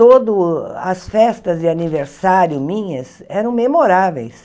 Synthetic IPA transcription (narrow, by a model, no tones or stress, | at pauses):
od̪ʊɐsfɛst̪ɐzd͡ʒɪaniveɾsaɾjʊmĩɲɐsɛɾɐ̃w̃memoɾavḛjs